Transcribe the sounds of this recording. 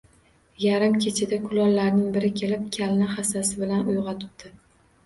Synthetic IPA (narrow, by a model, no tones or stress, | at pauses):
jaɾɪmkʲʰet͡ʃʰɪd̪akʰʊlɒllaɾnɪŋbɪɾɪkʲʰe̞lɪp̚kʲʰalnɪχasasɪbɪlanʊjʁɑt̪ʰʊ̥pd̪ɪ